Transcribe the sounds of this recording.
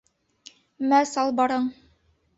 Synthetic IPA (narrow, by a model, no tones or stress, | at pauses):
mæsɑlˠbɑɾɤɴ